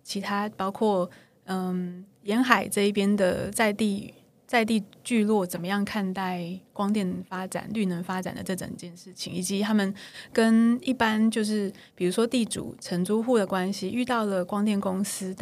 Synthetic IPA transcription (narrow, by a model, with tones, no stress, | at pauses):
t͡ɕʰi˧˥t̪ʰa˥pɑ˥ʊkʰwɔ˥˩ | ə˧˩mjɛ˧˥nxa˨˩ɪʈ͡ʂɤ˥˧i˥˩pjɛ˥nd̪ə̰˨t͡sa˥˧ɪt̪i˥˧ | t͡sa˥˧ɪt̪̬i˥˧t͡ɕy˥˧lwɔ˥˩t͡sə˨˩mə˦jɑ˥˧ŋkʰa˥˧nt̪a˥˩ɪkwɑ˥ŋt̪jɛ˥˩nfa˥ʈ͡ʂa̰˨˩nly˥˩nə˧˥nfa˥ʈ͡ʂa̰˨˩nd̪ə̰˦ʈ͡ʂɤ˥˩ʈ͡ʂo̰˨˩ŋi˨˧˩t͡ɕjɛ˥˧nʂɻ̩˥˩t͡ɕʰḭ˨˦ŋi˨˩t͡ɕi˨˦t̪ʰa˥mə˨nkə˦˥ni˥˩pa˥nt͡ɕjo˥˧ʊʂɻ̩˥˩ | pi˨˩ɻu˧˥ʂwɔ˥t̪i˥˩ʈ͡ʂṵ˨˩˦ʈ͡ʂʰə˧˥nʈ͡ʂu˥xu˥˩d̪ə˩kwa˦˥nɕi˨y˥˧t̪ɑ˥˩ʊlə˨˩kwɑ˥ŋt̪jɛ˥˩nkʊ˥ŋsɹ̩˥t̪